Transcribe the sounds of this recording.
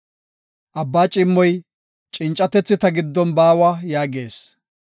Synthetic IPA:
ʔɐbːaːt͡ʃʼɪmːɔj | t͡ʃʼɪnt͡ʃʼːɐt̪ɛt͡sːɪt̪ɐɡɪd̪ːɔnbaːwajaːɡeːs

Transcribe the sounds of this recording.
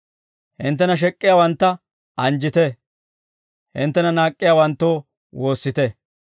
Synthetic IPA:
hɪ̰nt̪ːɛnɐʃ̬ɛkʼːɪjaːwɐnt̪ːɐ | ʔɐnd͡ʒɪt̪ɛ | hɪ̰nt̪ːɛnɐnaːkʼːɪjaːwɐnt̪ːo̞ː | wo̞ːsːɪt̪ɛ

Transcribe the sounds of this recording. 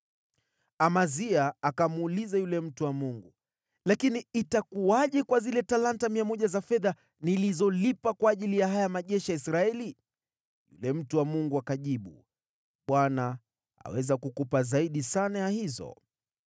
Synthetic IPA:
amaziaakamuːlizajulɛm̩tuwamuŋɡu | lakiniːtakuaʄɛkwazilɛtalantamiamɔʄazafɛða | nilizɔlipakwaːʄilijaɦajamaʄɛʃijaisɾaɛli | jṵlɛm̩tuwamuŋɡuakaʄiɓṵ | ɓwana | a̰wɛzakukupazaiɗisanajahizɔ̰

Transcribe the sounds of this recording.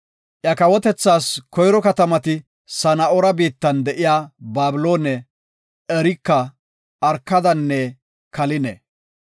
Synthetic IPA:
ʔjɐkɐwɔt̪ɛt͡sːaːskɔjɾɔkɐt̪ɐmɐt̪ɪ | sɐnɐɔɾɐbiːt̪ːɐnd̪ɛʔɪjaːbaːbɪlo̞ːnɛ | ɛɾɪkːɐː | ɾkːɐd̪ɐnːɛ | kɐlɪnɛ̰

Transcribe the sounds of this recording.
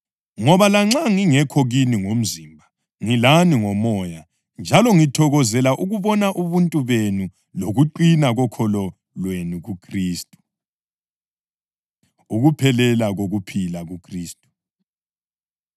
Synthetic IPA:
ŋɔβalaŋ͡ǁaŋiŋɛkʰoɣiniŋom̩zimbʱa | ŋilaniŋɔmɔːja | nd͡ʒʱalɔŋitʰɔɣɔzɛlaʔuɣuβɔnaʔuβuntʼuβenu | loɣuǃinaɣɔkʰɔlɔ | lwenuɣukʰriːstʼu̥ | uɣupʰɛlɛlaɣoɣupʰilaɣukʰriːstʼu̥

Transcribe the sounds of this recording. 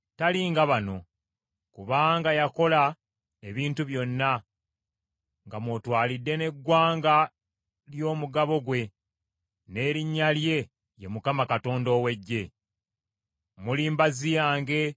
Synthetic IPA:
taliŋɡaβano̞ | kuβaːŋɡajako̞la | eβiːntuβjo̞nːa | ŋɡamwo̞twaːlidːe̞ne̞ɡwaːŋɡa | ljo̞ːmuɡaβo̞ɡwe̞ | ne̞ːɾiɲːalje̞ | jemukamakato̞ːndo̞ːwe̞ɟːe̞ | muliːmbazijaːŋɡe̞

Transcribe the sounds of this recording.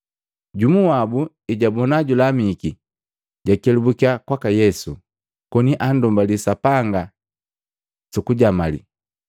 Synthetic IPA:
ɟumuwabu | iɟabɔnaɟulamiki | ɟakɛlubukiakwakajɛsu | kɔniʔandɔmbalisapaŋɡa | sukuɟamalḭ

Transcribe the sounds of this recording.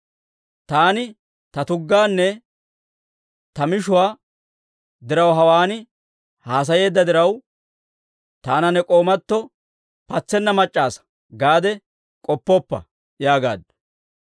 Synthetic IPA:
t̪aːnɪ | t̪ɐt̪ʊɡːaːnːɛ | t̪ɐmɪʃʊwaː | d̪ɪɾɐwɦɐwaːnɪ | haːs̬ɐje̞ːd̪ːɐd̪ɪɾɐw | t̪aːnɐnːɛkʼo̞ːmɐt̪ːɔ | pɐt͡sːɛnːɐmɐt͡ʃʼːaːsɐ̥ | ɡaːd̪ɛ | kʼɔpːɔpːɐ̰ | jaːɡa̰ːd̪

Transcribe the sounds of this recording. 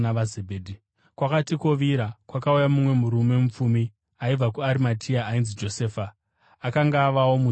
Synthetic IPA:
aʋazebʱeːdʱi | kwakatiko̞ʋiɾakwakaujamumwe̞muɾume̞mup͡fumi | aib͡vakuaɾimatʰiaːinzid͡ʒo̞seːfa | akaŋɡaːʋawomu

